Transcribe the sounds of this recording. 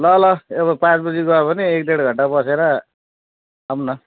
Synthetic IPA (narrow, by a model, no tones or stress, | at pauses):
lʌlʌebʌpãt͡sbʌd͡ziɡʌepʌniek̚d̪eɽɡʱʌɳʈabʌseɾʌ | amnʌ